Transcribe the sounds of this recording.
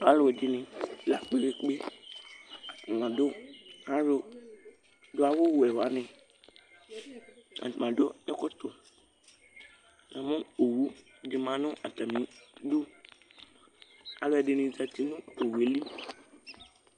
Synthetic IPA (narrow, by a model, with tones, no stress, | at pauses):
a˦lo˨ɛ˨dɪ˨nɪ̃˨la˨k͡pe˦ɾe˨k͡pe˦ | a˨ŋ˨ã˨do˦a˦ɾo˨ | do˦a˦˨wo˦wo˨ɛ˨wa˨˦nɪ̃˨ | a̰˨ã˨do˦ɛ˦kɔ˦t̪o˨ | nã˨mõ˦o˨wu˦ | dɪ˨mã˨nʊ̃˦ʔa̰˨t̪a˨mĩ˨˦du˦ | a˨lo˦ɛ˨dɪ˨nɪ̃˨d͡za˨t̪i˦nũ˦o˨wu˨e˨li˦